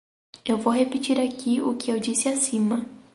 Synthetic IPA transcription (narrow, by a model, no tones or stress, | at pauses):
ewvowhepit͡ʃiɾakiʊkɪewd͡ʒisɪasĩmɐ